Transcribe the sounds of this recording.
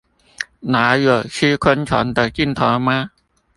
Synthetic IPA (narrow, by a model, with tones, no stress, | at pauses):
naː˨˦ju˨˩sʰi˧˥kʰo˧˥nt͡ɕʰɔ̰ː˨˦nt̪ɛ˨˩ki˧˥˩nt̪ʰɔː˨˦maː˧˥